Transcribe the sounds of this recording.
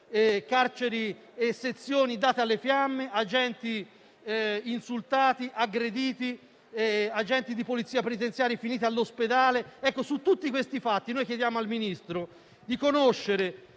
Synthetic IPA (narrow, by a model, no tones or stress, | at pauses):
kart͡ʃeɾi | esːet̪sːjoːnid̪aːt̪ealːefjamːeʔad͡ʒɛnt̪i | insult̪aːt̪iʔaɡɾed̪iːt̪i | ad͡ʒɛnt̪id̪ipolit̪siːapenit̪ent̪sjaːɾjefiniːt̪̬ialːosped̪aːleɛkːosut̪ːut̪ːikwest̪ifat̪ːinojkjed̪jaːmoalminist̪ɾo | d̪ikonoʃːeɾe